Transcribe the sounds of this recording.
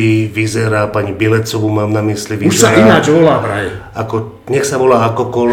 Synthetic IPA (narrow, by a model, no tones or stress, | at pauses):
iʋizɛɾaːpaɲibɪɛlɛt͡sɔʋumaːmnamisliʋiʃzɛsaɾinad͡ʒʋɔlaːbɾajakɔ | ɲɛxsaʋɔlaːakɔkɔl